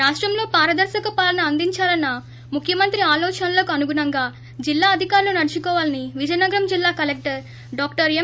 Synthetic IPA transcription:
ɾaːʂʈɾɐmlo̞ːpaːɾɐd̪ɐɾʃɐkɐpaːlɐnɐːnd̪iɲt͡ʃaːlɐnːɐ | mukʰjɐmɐnt̪ɾiaːlɔːt͡ʃɐnɐlo̞ːkɐnuɡunɐŋɡaː | d͡ʒilːaːɐd̪ʱikaːɾlunɐɾit͡ʃikɔːʋaːlɐniʋid͡ʒɐjnɐɡɐɾɐmd͡ʒilːaːkɐlek̚ʈɐɾ | ɖaːk̚ʈɐɾe

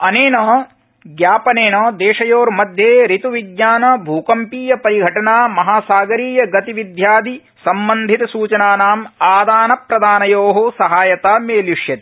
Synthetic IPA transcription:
ɐneːnɐ | ɡjaːpɐneːnɐd̪eːʂɐjoːɾmɐd̪ʱjeːɾit̪uʋiɡjaːnɐbʱuːkɐmpiːjɐpɐɾiɡʱɐʈɐnaːmɐɦaːsaːɡɐɾiːjɐɡɐt̪iʋid̪ʱjaːd̪i | sɐmbɐnd̪ʱit̪ɐsuːt͡ʃɐnaːnaːmaːd̪aːnɐpɾɐd̪aːnɐjoːɦusɐɦaːjɐt̪aːmeːljuʂjɐt̪i̥

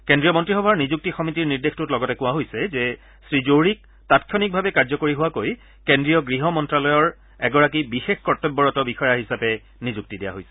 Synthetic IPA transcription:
kendɹijɔmɔntɹixɔbʱaɹnizuk̚tixɔmitiɹniɹdextutlɔɡɔtɛkʊwaɦojsɛzɛ | sɹizoɹik̚ | tatkʰjɔnik̚bʱabɛkaɹzɔkoɹiɦʊwakoj | kendɹijɔɡɹiɦɔmɔntɹalɔjɔɹ | ɛɡɔɹak̬ibixexkɔtːɛbːɔɹɔtɔbixɔjaɦisapɛ | nizuk̚tidija̰ɦojsɛ̥

